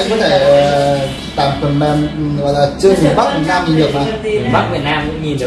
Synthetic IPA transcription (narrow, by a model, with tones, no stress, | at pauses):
kɔ˨˦t̪ʰe˧˩ə˨˩ | t̪a̰ː˨˩mkʰnmɛ˧nɣɔ̰˨˧˨jlaː˨˩t͡ɕɨ˧əŋfi˨˩ə˩ɓa˦˥k̚vi˨˩t̚naː˧mt͡ɕi˨˧˩ɗɨ˨˩ək̚maː˨˩a˦˥k̚vi˨˩ət̚naː˧mkʊ̰˧˥ŋ͡mɲi˨˩